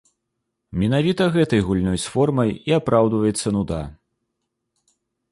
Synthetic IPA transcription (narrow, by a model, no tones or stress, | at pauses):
mʲɛnavʲit̪ɐɣɛt̪ɐjɣulʲnɔjsfɔrmɐjiapɾawd̪vɐjɛt̪sːɐnud̪a